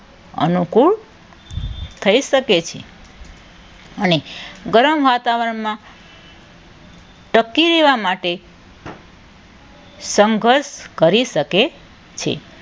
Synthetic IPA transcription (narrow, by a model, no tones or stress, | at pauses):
ə̰nukuɭ | t̪ʰəiʃəket͡ʃʰḛ | əneɡəɾəmʋat̪aʋəɾəɳmã | ʈəkːiɾeʋamaʈe | səŋɡʱəɾʃkəɾiʃəke | t͡ʃʰḛ